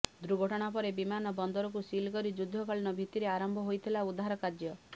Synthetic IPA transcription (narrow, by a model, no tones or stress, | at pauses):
d̪ɾuɡʱɔʈɔɽ̃apɔɾebimanɔbɔnd̪ɔɾɔk̬usilkɔɾid͡ʒud̪ʱːɔkɔɭinɔbʱit̪iɾeaɾɔmbʱɔɦojt̪ʰilaud̪ʱaɾɔkad͡ʒjɔ